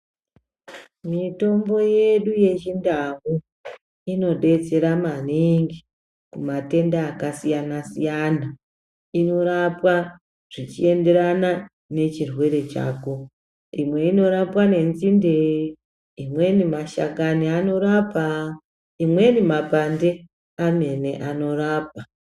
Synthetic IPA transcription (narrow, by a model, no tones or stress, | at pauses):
mito̞mbo̞je̞ɗuje̞t͡ʃindamu | ino̞ɗe̞t͡se̞ɾamaniŋɡi | kumate̞ndaːkasijanasijana | ino̞ɾapwa | ʐ̥it͡ʃie̞nde̞ɾana | ne̞t͡ʃirwe̞ɾe̞t͡ʃa̰ːko | imwe̞ino̞ɾapwane̞nzinde | imwe̞nimaʃakaniano̞ɾapa | imwe̞nimapande | ame̞ne̞̰ʔano̞raːp̚a